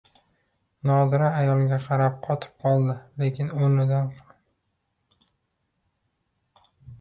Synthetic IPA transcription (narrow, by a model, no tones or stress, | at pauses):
nɒd̪ɪɾaːjɒlˠɡʲaqʰɑɾap̚qʰɒt̪ʰɪ̥p̚qʰɒlˠd̪ɪle̞kʲʰɪnonɪd̪an